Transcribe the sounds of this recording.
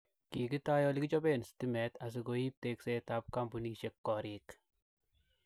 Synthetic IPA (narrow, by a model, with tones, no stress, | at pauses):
ki˨ki˦taː˦jɔ˦lki˦t͡ʃɔ˦be˦nstimɛ˨ta˨s̬i˨ɡoi˦p̚tekse˦ta˦p̚ka˦mbuniʃɛ˦kːɔɾik